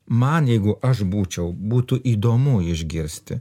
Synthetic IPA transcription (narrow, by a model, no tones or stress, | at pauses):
mɐnjɛɪɡʊʔɐʃbuːt͡ʃʲɛʊbuːt̪ʊʔiːd̪oːmʊɪʒʲɡʲɪɾʲsʲt̪ʲɪ